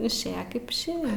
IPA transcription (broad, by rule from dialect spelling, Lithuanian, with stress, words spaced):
ɪʃʲˈeːjɛ kɐɪp ɪʃʲˈeːjɛ